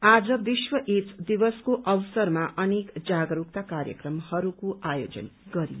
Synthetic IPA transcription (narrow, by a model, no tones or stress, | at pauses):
ad͡zʌb̪iswʌʔet̪d̪ibʌskoʔʌwsʌrmaʔʌnekd͡zaɡɾuk̚t̪akaɾjʌ̰krʌmhʌɾukoʔajod͡zʌ̰nɡʌɾḭ